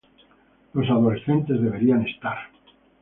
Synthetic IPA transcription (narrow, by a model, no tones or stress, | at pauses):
lo̞saðo̞le̞sθe̞nt̪e̞zðe̞β̞e̞ɾiane̞st̪aɾ